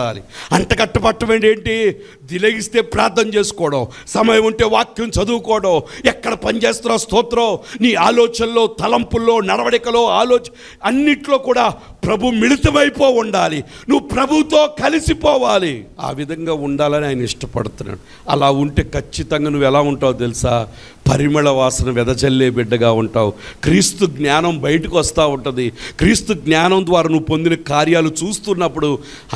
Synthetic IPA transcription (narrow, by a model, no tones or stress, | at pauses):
a̰ːlḭɐɳʈɐɡɐʈːɐpɐʈːɐmeːɳɖeːɳʈi | d̪ilɐɡist̪e̞ːpɾaːɾt̪ːɐmt͡ʃeːsu̥kɔːɽɐw | sɐmɐjɐmuɳʈe̞ːʋaːkjɐmt͡ʃɐd̪uːkɔːɽɐwɛkːɐɽɐpɐnt͡ʃeːst̪uːnːaːst̪uːt̪ɾɐːniːaːlɔːt͡ʃɐnlo̞ːt̪ɐlɐmpulːoːnɐɽɐʋɐɽikɐlo̞ːaːloːt͡ʃ | ɐnːiʈlo̞ːkuːɽaː | pɾɐbʱumiɽit̪ɐmɐjpoːuɳɖaːli | nuʋːupɾɐbʱut̪o̞ːkɐlisipɔːʋaːlia̰ːʋid̪ʱɐŋɡaːuɳɖaːlɐniaːjɐnɐiʂʈɐpɐ̰ɽut̪unːa̰ːɽu | ɐ̰laːuɳʈeːkʰɐt͡ʃːit̪ɐŋɡaːnuʋːɛlaːuɳʈaːwut̪elisaː | pɐɾimɐɭɐʋaːsɐnɐʋɛd̪ɐd͡ʒɐlːeːbiɖːɐɡaːuɳʈaːwukɾiːst̪uɡnjaːnɐmbɐjɐʈikiʋɐst̪aːuɳʈund̪ikɾiːst̪uɡnaːnɐnd̪ʋaːɾaːnuʋːupo̞nd̪inɐkaːɾjaːlut͡ʃuːst̪unːɐpːuɽu